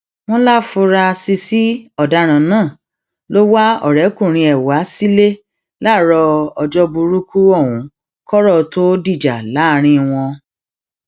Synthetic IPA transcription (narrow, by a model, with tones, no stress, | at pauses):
m̃ɔ̃˦la˦fu˧ɾa˧si˧si˦ɔ˦˨da˧˦ɾ̃ã˨nãː˦˨ | lo˦wa˦ɔ̰˦˨ɾɛ˨˦kũ˦˨ɾ̃ĩ˧ɛ˨wa˨˦si˦le˦ | la˦˨ɾɔ˧ɔ˧d͡ʒɔ˦bu˧ɾu˦kʰu˦ɔ˦˨wũ˨˦ | kɔ˦ɾɔ˦˨to˦di˦˨d͡ʒa˨la˨˦˨ɾ̃ĩ˧w̃ɔ̃˧